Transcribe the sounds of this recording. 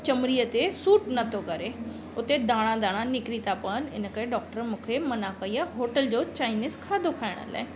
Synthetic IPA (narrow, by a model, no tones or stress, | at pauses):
t͡ɕɐmɾiət̪esuːʈnɐt̪ʰokɐɾe | ʊt̪ed̪aːɽ̃ãd̪aːɽ̃ãnɪkɾit̪apɐənɪ̰nə̆kəɾeɖɔːk̚ʈəɾmũːkʰemɐnakɐiaɦoːʈəld͡ʑoːt͡ɕaːɪnɪskʰaːd̪ʱokʰaːɪɽ̃ə̰la̰ːɪ